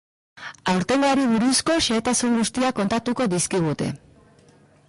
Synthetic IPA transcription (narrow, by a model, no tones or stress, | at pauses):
awɾt̪e̞ŋɡaɾiβuɾusko̞ʃe̞ːt̪asuŋɡust̪iako̞nt̪at̪uko̞ðiskiɣ̞ut̪e̞̰